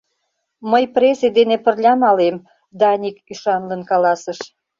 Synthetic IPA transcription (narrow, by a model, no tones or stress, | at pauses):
məjpresid̪enepə̆rlʲɑmɑlem | d̪ɑnʲikyʃɑnlənkɑlɑsəʃ